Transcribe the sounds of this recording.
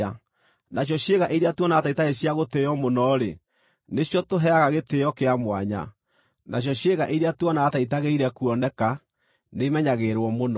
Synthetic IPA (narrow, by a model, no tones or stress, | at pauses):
a | naɕ̬jɔɕjeɣaʔeɾeatuɔnaːtaitaɣeɕjaɣotejɔmonɔɾe | neɕjɔtoɦɛaɣaɣetejɔkeamwa̰ɲa̰ | naɕ̬jɔɕjeɣaʔeɾeatwɔnaːtait̬aɣeiɾɛkuɔnɛka | nemɛɲaɣeɾwɔmonɔ